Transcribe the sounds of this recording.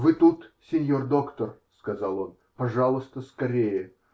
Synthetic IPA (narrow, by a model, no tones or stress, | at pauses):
vɨt̪ut̪sʲɪnʲjord̪o̞kt̪ərskɐzɑlˠo̞n | pɐʐɑlˠʊst̪əskɐɾʲejə